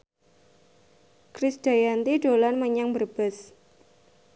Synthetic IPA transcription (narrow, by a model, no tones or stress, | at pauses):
kɾɪsd̥a̤jant̪iɖolanməɲaŋbərb̥as